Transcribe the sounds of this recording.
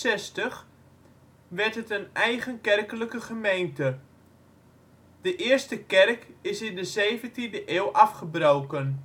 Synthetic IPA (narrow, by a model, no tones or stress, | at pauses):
ɛstəχ | ʋɛɹtɦətənɛjχənkɛrkələkəχəmejntə | d̥əʔɪəɹstəkɛrkɪsɪndəzejvəntindəʔeːwʔafχəbrowkən